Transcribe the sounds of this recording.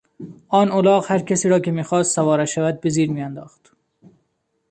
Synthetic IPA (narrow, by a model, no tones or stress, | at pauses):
ʔɒːnolɒːɣhæɾkʰæsiːɾɒːkemiːxɒːst̪sævɒːɾæʃævæd̪̚beziːɾmiːænd̪ɒːxt̪